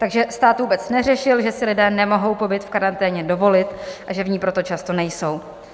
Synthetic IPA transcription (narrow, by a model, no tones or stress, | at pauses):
t̪aɡʒɛst̪aːt̪vuːbɛt͡snɛrɛʃɪlʒɛsɪlɪdɛːnɛmo̞ɦo̞wpo̞bɪt̪fkaɾant̪ɛːɲɛdo̞vo̞lɪt̪ʔaʒɛvɲiːpɾo̞t̪o̞t͡ʃast̪o̞nɛjso̞w